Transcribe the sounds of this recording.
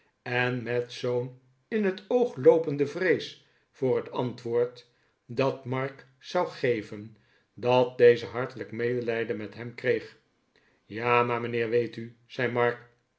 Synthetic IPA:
ɛnmɛtsown | ɪnɦətowχlowpəndəvrejs | fʊːɹɦətʰɑntʋʊːɹt | dɑtmɑɹk | sɑwχejvən | dɑt̚dejzəɦɑɹtələkmejdəlɛjdəmɛtɦɛmkrejχ | jaːmaːmənɪːɹʋejty | z̥ɛjmɑɹk

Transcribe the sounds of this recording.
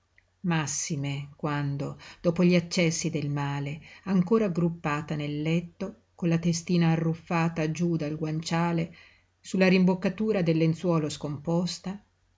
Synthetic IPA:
masːimekwand̪od̪̥ɔːpoʎiat͡ʃːɛsːid̪elmaːleaŋkoːɾaɡɾupːaːt̪anelːɛt̪ːo | konlat̪est̪iːnaːrːufːaːt̪ad͡ʒud̪alɡwant͡ʃaːle | sulːaɾimbokːat̪uːɾad̪elːent̪swɔːloskompɔst̪a

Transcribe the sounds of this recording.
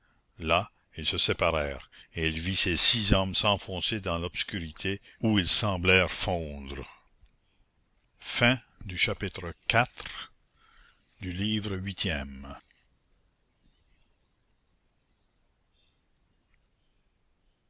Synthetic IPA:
la | ilsəsepaɾɛːʁeilvisesizɔmsɑ̃fɔ̃ːsed̪ɑ̃lɔb̥skyʁit̪ʰeuilsɑ̃blɛːʁfɔ̃ːd̪ɾə | fɛ̃ | d̪yʃapit̪ɾəkat̪ʁ | d̪yliːvɾəɥit̪ʰjɛm

